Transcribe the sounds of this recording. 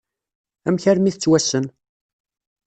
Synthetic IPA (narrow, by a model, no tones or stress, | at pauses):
æmçæɾmiθət͡sːwæsːən